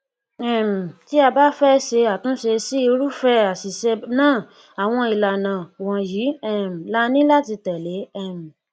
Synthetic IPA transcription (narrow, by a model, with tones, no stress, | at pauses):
ɛ˨m̩˨ti˦a˧ba˦fɛ˦ʃe˧a˨tũ˨˦ʃe˧si˦i˧ɾu˦fɛ˦a˨si˨ʃɛ˧nãː˦˨ | a˨w̃ɔ̃˧i˨la˨nã˨wɔ̃˨ji˨˦ɛ˦˨m̩˨la˦nĩ˦la˦˨ti˧tɛ˨le˨˦ɛ˦˨m̩˨